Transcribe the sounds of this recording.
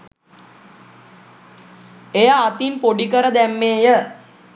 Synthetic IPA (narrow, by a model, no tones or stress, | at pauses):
ejaːt̪inpoɖikəɾəd̪æmːeːjə